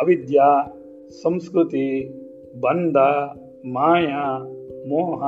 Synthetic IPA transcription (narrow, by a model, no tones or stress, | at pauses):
ɐʋid̪jaː | sɐ̃mskɾut̪i | bɐnd̪ʱɐ | maːjamoːɦɐ